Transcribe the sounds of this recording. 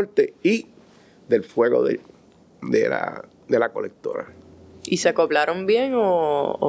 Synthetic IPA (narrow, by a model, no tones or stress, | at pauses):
ɾt̪ei | ðe̞lfwe̞ɣo̞̰ðe | ðḛla̰ | d̪elako̞̰lek̚t̪o̞̰ɾa̰iseakoβlaɾo̞mbjeŋo̰